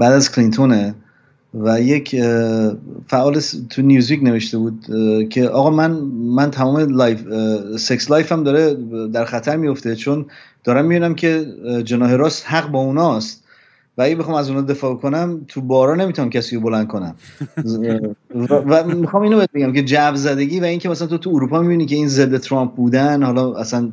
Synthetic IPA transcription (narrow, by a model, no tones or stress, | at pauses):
b̥æːd̪æzkʰlint̪ʰone | væje̞cʰ | fæʔɒːlest̪ʰunijuːzvikne̞ve̞ʃt̪e̞buːd̪̚cʰe̞ʔɒːɣɒːmænmænt̪ʰæmɒːmeljfsekslɒːjfæmd̪ɒːɾed̪æɾxæt̪ʰæɾmijoft̪e̞t͡ʃʰond̪̥ɒːɾæmːibiːnæmcʰe̞d͡ʒe̞nɒːɦeɾɒːst̪hæɣbɒːunɒːst̪ | vææɟæbexɒːmæzunɒd̪e̞fɒːbokʰo̞næmt̪ʰubɒːɾɒːnemit̪ʰunæmcʰæsiːɾobo̞lænd̪̚kʰo̞næm | væmːixɒːmiːnobeebe̞ɡæmkʰe̞d͡ʒævzæd̪e̞ɟiːvæiŋcʰemæsælænt̪ot̪ʰuːɾuːpʰɒːmibiniːcʰe̞inze̞d̪ːet̪ʰɾɒmp̚buːd̪ænhɒlɒæsæn